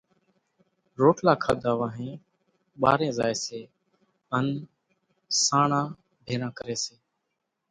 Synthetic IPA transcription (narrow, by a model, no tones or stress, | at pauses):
ɾoːʈʰlaːkʰaːd̪aːʋaːɦẽː | ɓa̰ːɾẽːzaːeːseː | ən | saːɳãː | bʱeːɾãːkəɾeːseː